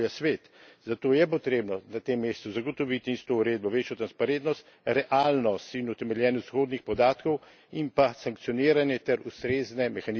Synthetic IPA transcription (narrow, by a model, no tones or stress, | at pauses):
jasʋeːt̪zat̪oːjɛp̬ɔt̪ɾeːbnɔnat̪emːeːst̪uzaɡɔt̪ɔʋit̪inist̪ɔuɾeːd̪̚bɔʋeːt͡ʃjɔt̪ɾanspaɾent̪nɔst̪ | ɾɛʔalnɔst̪inut̪ɛmɛljɛːnɔssxoːd̪nixpɔd̪aːt̪kɔw | impasaŋk̚tsijɔniːɾanjɛt̪ɛɾust̪ɾeːznɛmɛxan